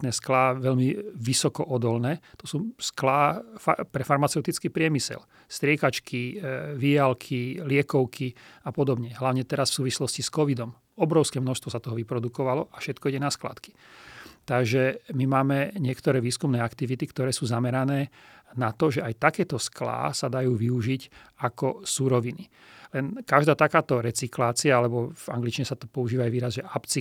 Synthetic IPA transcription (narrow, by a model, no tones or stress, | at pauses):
t̪nɛsklaːʋɛʎmiʋisɔkɔʔɔd̪ɔlnɛːt̪ɔsuːsklaːfa̰pɾɛfaɾmat͡sɛʊt̪it͡skiːpɾɪɛmisɛ̰l | st̪ɾɪɛkat͡ʃkʰiʋijalkʰilɪɛkɔʊkʰiapɔd̪ɔbɲɛɦlaʊɲɛt̪ɛɾasfsuːʋislɔsciskɔʋid̪ɔm | ɔbɾɔʊskɛːmnɔʃst̪ʋɔsat̪ɔɦɔʋipɾɔd̪ukɔʋalɔʔafʃɛt̪kɔiɟɛnaskla̰t̪ki̥ | t̪aɡʒɛmimaːmɛɲɪɛkt̪ɔɾɛːʋiːskumnɛːakt̪iʋit̪ikt̪ɔɾɛːsuːzamɛɾanɛːnat̪ɔʒɛajt̪akɛːt̪ɔskla̰ːsad̪ajuːʋiuʒiɟakɔsuɾɔʋini | lɛnkaʒd̪aːt̪akaːt̪ɔɾɛt͡siklaːt͡siaalɛbɔv̥aŋɡlit͡ʃiɲɛsat̪ɔ̥pɔuʒiːʋaːjʋiːɾazʒɛʔapt͡si